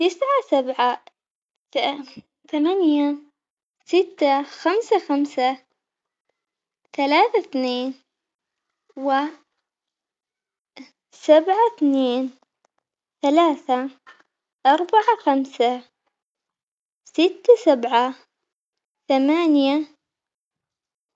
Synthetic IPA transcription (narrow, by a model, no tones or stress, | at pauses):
t̪ɪsʕasabʕa | θamanja | sɪt̪ːaxamsaxamsa | θalaːθaθneːn | wɪ | sabʕaθneːn | θalaːθa | ʔɑɾˤbaʕaxamsa | sɪt̪ːasabʕa | θamaːnja